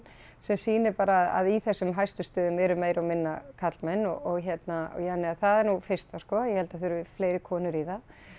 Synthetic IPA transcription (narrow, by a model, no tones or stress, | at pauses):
sɛmsiːnɪpaːɾaːða̰ðiθɛsːʏmɦajst̪ʏ̥st̪œːðʏmɛɾʏmeːjɾawmɪnːakʰat̪lmɛnːɔɔɣçjɛt̪naɔ̰janːɪaθaðɛɾnufɪr̥st̪askɔːjɛhɛlt̪aðθʏɾfleːjɾɪkʰɔːnʏɾiːða